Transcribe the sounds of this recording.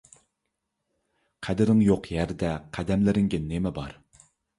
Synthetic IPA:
qʰæd̪ɪɾɪŋjoqjæɾd̪ɛqʰæd̪ɛmlɪɾɪŋɡʲɛnemɛbɑ̰ɾ

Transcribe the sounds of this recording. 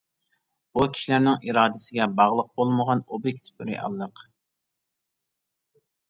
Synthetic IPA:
bukʲʰi̥ʃilæɾnɪŋʔiɾɑːd̪ɪsɪɡʲɛbɑʁlˠəq̚bolˠməʁɑnobik̚ʲt̪ʰpyɾɪ̰ʔɑ̰lˠːəq

